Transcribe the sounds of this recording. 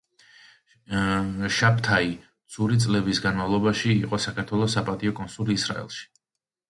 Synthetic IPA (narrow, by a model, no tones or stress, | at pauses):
ʃap̚ʰt̪ʰai | d̪zsʰʼuɾit̪sʼlɛbisɡanmavlˠɔbaʃiːqʼɔsakʰaɾt̪ʰwɛlˠɔsːapʼat̪ʼiɔkʼɔnsuliːsɾa̰ɛ̰lˠʃi̥